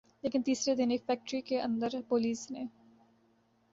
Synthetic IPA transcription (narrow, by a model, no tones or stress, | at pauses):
leːkɪnt̪iːsɾed̪ɪnefɛːk̚ʈɾikeɐ̰̃nd̪əɾpoːliːsneː